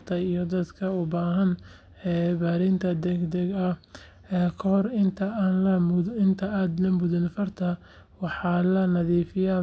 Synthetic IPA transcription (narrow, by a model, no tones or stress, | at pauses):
t̪ʰɐijɔd̪ɐd̪kʰɐʊbaːɦɐn | ɛːbaːɾɪnt̪ʰɐd̪ɛɡd̪ɛɡɐ | kʰɐhɔrɪnt̪ʰɐaːnlɐmɪnt̪ʰɐaːd̪nɐmʊðɪnfɐrt̪ʰɐ | wɑħɑːlɐnɐðiːfɪja